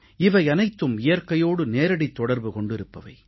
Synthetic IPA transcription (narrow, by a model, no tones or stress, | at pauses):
ɪʋɐɪɐnɐɪt̪ːɯmɪjɐɾkɐjoːɽɯneːɾɐɽɪt̪ːɔɽɐɾbɯkɔɳɖɪɾɯpːɐʋɐ̰ɪ